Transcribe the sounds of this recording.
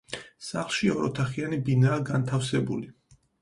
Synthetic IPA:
saχlˠʃiɔɾɔt̪ʰaχianibinaːɡant̪ʰafsɛbuli

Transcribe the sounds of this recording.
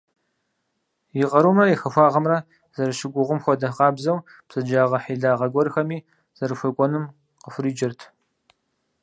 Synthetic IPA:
jɪʁɐɾuːmrɐjixɐxʷaːʁɐmrɐ | z̥ɐɾɨʃɪɡʷʊʁʷʊmxʷɔdɐqɑːbzɐw | bsɐd͡ʒaːʁɐħiːɮaːʁɐɡʷɔɾxɐmiː | z̥ɐɾɨxʷɐkʷʼɔnɨm | qəfʷriːd͡ʒɪrtʰ

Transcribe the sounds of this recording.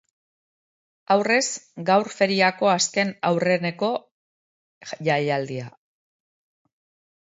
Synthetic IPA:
awre̞zɡawɾfe̞ɾiako̞aske̞nawre̞ne̞ko̞ | ʝaʎald̪ia

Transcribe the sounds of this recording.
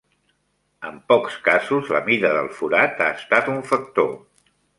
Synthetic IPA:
əmpɔkskazuzləmiðəðə̰lˠfuɾat̪aəst̪at̪uɱfək̚t̪o

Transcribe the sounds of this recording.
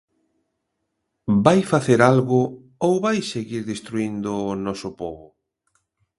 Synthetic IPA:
bajfaθeɾalɣʊ | owβajseɣiɾðest̪ɾuind̪ʊːnɔsʊpɔβʊ

